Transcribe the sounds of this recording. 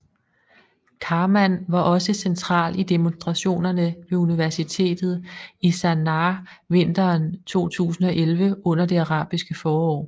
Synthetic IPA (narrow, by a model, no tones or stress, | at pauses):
kʰɑ̈ːmænʋɑ̈ʔɒ̽səsent͡sʰʁɑ̰̈ːlid̥emonsd̥ʁɑ̈ɕo̝̰ːnɐnəʋe̝uniʋæɐsit͡sʰe̝̰ːd̥ð̞̩ˠisænɑ | ʋe̝n̰d̥ɐːnt͡sʰo̝̰ːt͡sʰṵːsn̩ɒ̽ʔelʋəʔɔ̽n̰ɐd̥e̝æʁɑ̰̈ːb̥isɡ̥əfɒːɒ̰ː